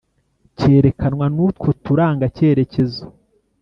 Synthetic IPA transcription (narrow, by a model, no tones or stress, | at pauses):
ce̞ːɾe̞kʰanwanutko̞tuɾaːŋɡace̞ːɾe̞ce̞zo